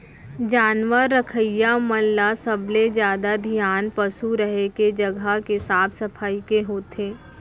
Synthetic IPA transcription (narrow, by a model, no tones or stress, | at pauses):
d͡ʒaːnwəɾːəkʰəjaməlːasəbled͡ʒjaːd̪ad̪ʱijaːnpəsuɾəɦeked͡ʒɐɡʱakesaːbsɐpʰaːikeɦoːt̪ʰeː